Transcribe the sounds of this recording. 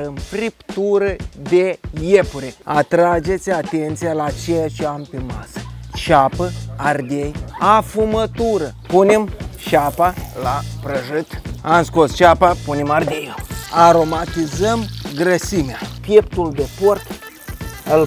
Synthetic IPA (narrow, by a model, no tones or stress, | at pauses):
ɨnfript̪uɾəd̪eje̞puɾeat̪ɾad͡ʒe̞t̪sʲat̪e̞nt̪sijalat͡ʃejat͡ʃeampema̰sə̥ʃapəard̪ejafumət̪uɾəpune̞mʃapalapɾəʒɨt̪amsko̞sʃapapunemard̪ejaaɾo̞mat̪izəmɡɾəsimeapjept̪uld̪e̞port̪ | əl